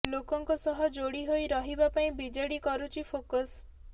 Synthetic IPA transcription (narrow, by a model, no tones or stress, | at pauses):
lokɔŋkɔsɔɦɔd͡ʒoɽiɦojɾɔɦibapaĩbid͡ʒeɽikɔɾut͡ʃʰipʰokɔs